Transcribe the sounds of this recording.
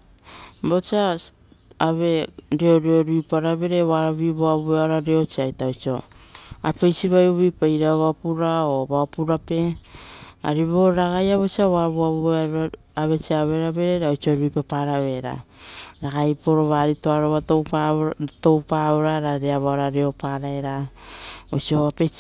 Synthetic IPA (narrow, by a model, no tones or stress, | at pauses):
bot͡ʃia | aβe̞ɾio̞ɾio̞ɾuipaɾaβe̞ɾe̞βaɾaβiβoaβueaɾaɾeo̞t͡ʃiajtaowt͡ʃio̞̰a̰pejsiβajoβipajɾaβapuɾaoβaopuɾape̞ | a̰ɾiβoɾaɡajaβot͡ʃiaβaβoaβuaa | aβe̞t͡ʃiaβe̞ɾaβe̞ɾeɾaot͡ʃioɾuipapaɾaβe̞ɾa̰ | ɾaɡajpoɾoβaɾitoaɾoβatowpato̞wpaβoɾaɾaɾeaβoaɾaɾeo̞paɾaeɾa | ot͡ʃioape